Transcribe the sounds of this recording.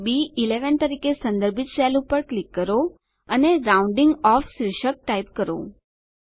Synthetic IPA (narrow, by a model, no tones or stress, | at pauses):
biileʋənt̪əɾikesə̃nd̪əɾbʱit͡ʃsɛlupəɾklikːəɾo | əneɾauɳɖiŋɡɔfʃɾiʃək̚ʈaipkəɾo̰